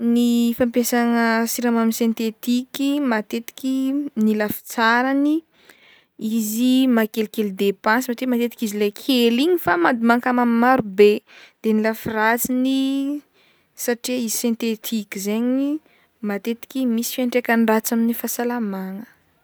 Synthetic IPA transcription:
nifampesaŋəsiɾamaminsẽnt̪et̪ikimat̪et̪i̥kinilafi̥t͡saɾani | izimakelkeld̪epãnsmaʈ͡ʂimat̪et̪i̥kizilekʰeliɲifamad̪imaŋkamamimaɾubed̪̥enilafirat͡sini | saʈ͡ʂiizisẽnt̪et̪ʰikizeɲi | mat̪et̪i̥kʲimisi̥fiaɳʈ͡ʂekʲanɖ͡ʐat͡saminifasalamaŋə

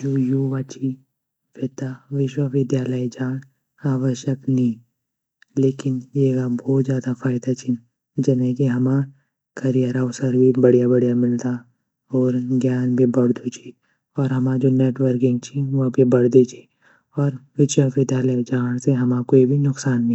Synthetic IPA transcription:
d͡ʒoːjuːʋaːt͡ʃʰi | pʰet̪aʋɪʃwəʋɪd̪jaːləid͡ʒaːn | aːʋəʃjəknĩ | leːkɪnjeːɡabɔːt̪zjaːd̪afʰaːɪd̪at͡ʃʰi | d͡ʒɛnekiɦɐma | kʰɐɾijaːɾaosəɾbibɐɽijabɐɽijamɪlt̪a | ɔːɾɡjaːnbʱibɐɽd̪ut͡ʃʰi | ɔːɾɦɐmaːd͡ʒoneːʈʋəɾkɪ̃ŋɡt͡ʃʰiʋabʱibɐɽd̪et͡ʃʰi̥ | ɔːɾʋɪʃəʋɪd̪jaːləid͡ʒaːñseɦɐmakoːibʱinʊksaːñː

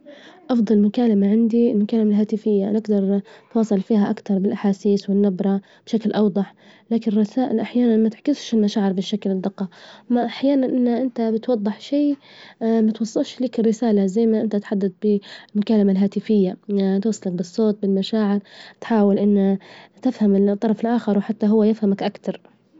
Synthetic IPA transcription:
ʔɑfd̪ˤɑlmʊkaːlamaʕɪnd̪ilmʊkaːlamalɦaːt̪ɪfɪjːanɪɡd̪ɑɾˤt̪wɑːsˤɑlfiːɦaʔakt̪ɑɾˤbɪlʔaħaːsiːswɪnːabɾˤɑ | b̥ʃaklʔɑwd̪ˤɑħ | laːkɪnrˤːɑsaːʔɪlʔaħjaːnanmat̪ɪʕkɪsʃɪlmaʃaːʕɪɾbɪʃːaklɪd̪ːɪqːɑmaʔaħjaːnanʔɪnːaʔɪnt̪abɪt̪wɑd̪ˤːɨħʃiː | mat̪wɑsˤːɨlʃliːkɪrːɪsaːlazajmaʔɪnt̪aʔt̪ħad̪ːad̪̚bɪlmʊkaːlamalɦaːt̪ɪfɪjːat̪wɑsˤːɑlak̚bɨsˤːoːt̪̚bɪlmaʃaːʕɪɾt̪ħaːwɪlʔɪnːat̪ɪfhamɪt̪ˤːɑɾˤɑfɪlʔaːxɑɾˤwħat̪ːaɦʊwːajɪfhamakʔakt̪ɑɾˤ

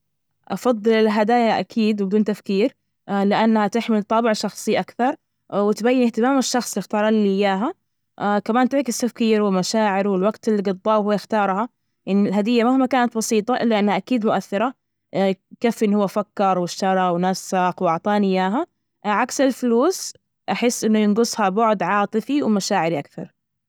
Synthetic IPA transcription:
ʔɑfɑðˤːɨlɪlɦad̪aːjaʔakʰiːd̪wbɪd̪uːnt̪afkiːɾ | lɪʔanːhat̪ɪħmɪlt̪ˤɑːbɪʕʃɑxsˤiʔakθɑɾˤ | wɪt̪bajːɪnɪht̪ɪmaːmaʃːɑxsˤjɪxt̪ɑːɾˤɑnilɪjːaːɦa | kamaːnt̪ɪʕkɪst̪afkiːɾwɪlmaʃaːʕɪɾwɪlwaɡt̪ɪlːiɡɑd̪ˤːɑːwhʊwːjɪxt̪ɑːɾˤhɑ | ʔanːɪlɦad̪ɪjːamahmakaːnat̪̚bɑsiːt̪ˤɑʔɪlːaʔɪnːhaʔakiːd̪mʊʔaθːɪɾˤa | kafʔɪnːhʊwːafakːɑɾˤwɪʃtɑɾˤɑwnasːaqwʔɑʕt̪ˤɑːnɪjːaːɦa | ʕaksɪlfʊluːs | ʔaħɪsːʔɪnːʊjɪnɡʊsˤhabʊʕd̪ʕɑːt̪ˤɨfiwɪmaʃaːʕɪɾiʔakθɑ̰ɾˤ

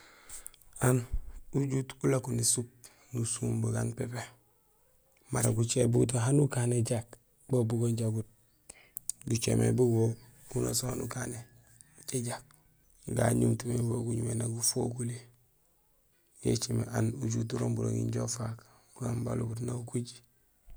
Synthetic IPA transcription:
anuɟutulakunisup̚ | nusuːmbuɡanpepe | maɾaɡut͡ʃebuut̬oɦanukaneɟak | bobuɡoɲɟaɡut̚ | ɡut͡ʃḛmḛbuɡoɡuno̰sohanukane | t͡ʃeɟak̚ | ɡa̰ɲumtumeboɡuɲumenaɡufokule | jḛt͡ʃimḛʔanuɟut̬uɾoːmbuɾo̰ŋɡḭɲɟofak | buɡamba̰lubut̬naukuɟi̥

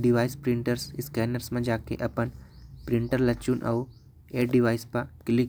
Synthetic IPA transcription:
ɖɪʋaːɪspɾɪ̃ɳʈəɾsɪskɛːnəɾsmẽd͡ʒaːkḛʔɐpənpɾɪ̃ɳʈəɾlɐt͡ʃuːnʔɐ̰u | eːʈɖɪʋaːɪspakɪli

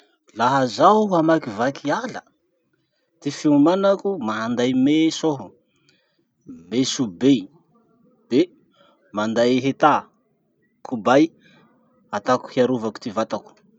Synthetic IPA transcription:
laɦazawamakivakʰialə | t̪ifeumanakumaɦand̪ajmesoɦu | mesube | b̥e | mand̪ajɦet̪a | kʰubaj | at̪aku̥hiaɾuvaku̥t̪ivat̪aku̥

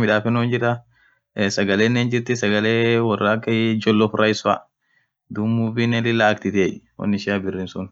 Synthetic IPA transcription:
mɪᶑaːfɛnond͡ʒɪɾɐ | sɐɡɐleːnːeːnd͡ʒɪɾt̪ɪsɐɡɐleːwɐrːaːkːɐjd͡ʒɔlːɔfɾʔɐjɪsa̰ | d̪ʊmːubɪnːɛlɪlːaːkt̪ɪt̪eːʔwɔ̰nːɪʃɪabɪrːɪːnsʊn

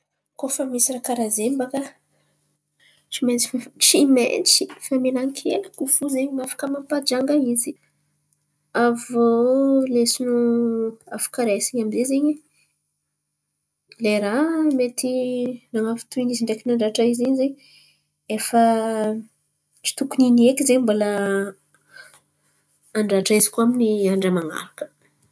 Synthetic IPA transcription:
kofamisirakaɾazembakə | ʈ͡ʂiment͡si̥ʈ͡ʂimḛnt͡sifamelaŋkʰeləkufuzeɲimafḁkəmampad͡ʒaŋɡaizi | avolesinu | afu̥kaɾesiɲamizezeɲi | leɾamet̪inaŋafi̥t̪uiniziɳɖ͡ʐekinaɳɖ͡ʐaʈ͡ʂaiziɲzeɲ | efə | ʈ͡ʂi̥t̪ukuniniekizeɲmbola | aɳɖ͡ʐaʈ͡ʂaizi̥kuaminiaɳɖ͡ʐəmaŋa̰ɾakə̥

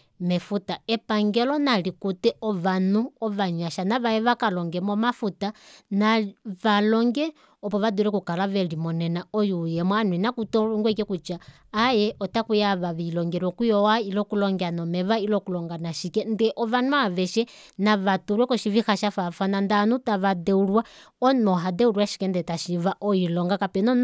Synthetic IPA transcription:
mɛfutaɛpaŋɡɛlɔnalikutɛɔʋanuɔβaɲaʃanaβajɛʋakalɔŋɡɛmɔmafutanaβalɔŋɡɛ | ɔpɔʋaduɾɛkukalaʋɛlimɔnɛnaɔjujɛmwanwɛnakutɔŋɡwɛkɛkut͡ʃaː | jɛʔɔtakujaʋaʋilɔŋɡɛɾwɔkujɔwailɔkulɔŋɡɛanɔmɛβailɔkulɔŋɡanaʃikɛndɛʔɔβanwaʋɛʃɛ | naβatuɾwɛkɔʃivixaʃafafanandanutaʋadɛuɾwa | ɔnɔɦadɛuɾwaʃi̥kɛndɛtaʃiʋaʔɔilɔŋɡakapɛnɔn

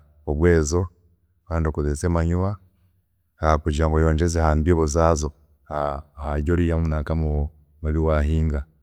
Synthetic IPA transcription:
oβwe̞ːzo̞ | kaːndio̞kuðet͡seːmaɲuma | hakuɟaːŋɡojoːɲd͡ʒezehaːndioβuzaːzo̞ | hahaɟoɾijamunakamu | maβiwahiːŋɡa

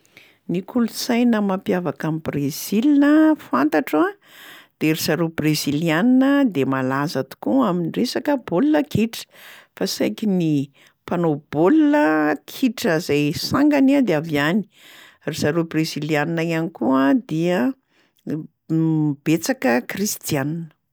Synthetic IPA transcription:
nikʰulusajnəmampjavakamibrez̥ilinəfant̪aʈ͡ʂa | d̪̥eɾisaɾubrezilianinəd̪emalazat̪u̥kuaminiresakəbolnəkʰiʈ͡ʂə̥fasajkini | panob̥olunəkʰiʈ͡ʂəzajsaŋɡanad̪eavjani̥ | risaɾubrezilianinajanikuad̪iə | b̥et͡sakəkrist̪ianinə̥

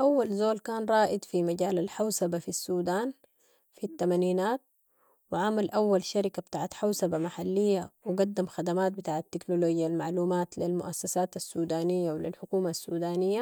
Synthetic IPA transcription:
ʔawːalzoːlkaːnɾˤɑːʔid̪fimaɟaːlalħawsabafisːuːd̪aːn | fit̪ːamaniːnaːt̪̚ | wɪʕamalʔawːalʃaɾɪkabt̪aːʕat̪ħawsabamaħalːijːawɪɡad̪ːamxad̪amaːt̪̚bɪt̪aːʕat̪ːiknoloːɟjalmaʕluːmaːt̪lilmʊ̰ʔasːasaːt̪asːuːd̪aːnijːawlilħʊkuːmasːuːd̪aːnijːa

